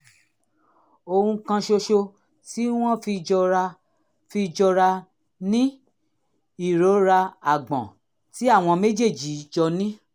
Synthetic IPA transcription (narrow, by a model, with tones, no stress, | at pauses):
o˧hũ˧kã˧ʃo˧ʃo˧ | ti˦w̃ɔ̃˦fi˧d͡ʒɔ˧ɾa˧ | fi˧d͡ʒɔ˧ɾa˧ | nĩ˦ | i˦˨ɾo˨˦ɾa˧a˨ɡ͡bɔ̰̃˨ | ti˦a˦˨w̃ɔ̃˧me˦d͡ʒe˦˨d͡ʒi˨˦d͡ʒɔ˧nĩ˦